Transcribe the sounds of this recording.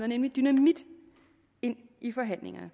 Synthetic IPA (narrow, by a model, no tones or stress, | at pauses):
ðɐnemlid̥ynæmid̥ | e̝n̰ifɒ̽ɦæn̰le̝ŋɐ